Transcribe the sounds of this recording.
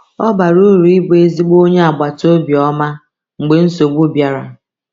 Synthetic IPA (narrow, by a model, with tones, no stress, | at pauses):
ɔ˦ba˨ɾu˦ɾu˨i˦ɡ͡be˦zi˦ɡ͡bo˦ɲe˦a˨ɡ͡ba˨to˦bjɔ˦ma˦ | ŋ͡m̩˨ɡ͡be˨n̩˦so˨ɡ͡bu˦bja˦ɾa̰˨